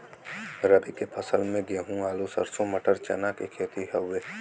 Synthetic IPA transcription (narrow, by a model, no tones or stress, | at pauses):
ɾɐbikepʰɐsəlmẽɡeːɦũaːlosə̰ɾsõmɐʈəɾt͡ʃɐ̰nakekʰeːt̪iɦɐwːeː